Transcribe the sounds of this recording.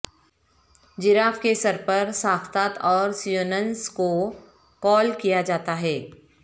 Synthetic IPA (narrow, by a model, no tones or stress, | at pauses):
d͡ʒɪɾaːfkesɐɾpɐɾsaːkʰt̪aːt̪ɔːɾsionənsko | kɔːlkijad͡ʒaːt̪aɦɛː